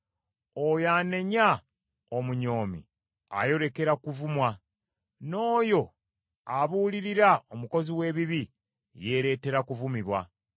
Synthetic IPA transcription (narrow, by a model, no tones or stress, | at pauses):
ojaːne̞ɲa | omuɲo̞ːmḭ | a̰jo̞ɾe̞ke̞ɾakuvumwa | no̞ːjo̞ | aβuːliɾiɾaomuko̞ziwe̞ːβiβi | je̞ɾe̞ːte̞ɾakuvumiβwa̰